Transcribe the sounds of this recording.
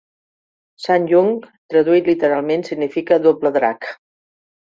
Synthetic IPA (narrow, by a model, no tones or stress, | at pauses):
sanʲʒuŋ | t̪ɾəðuilit̪əɾalˠmensiɡnifikəðopləðɾa̰k